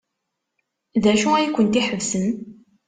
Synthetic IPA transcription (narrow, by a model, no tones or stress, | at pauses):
ðæʃuæjkʷːənt̪iħəvsən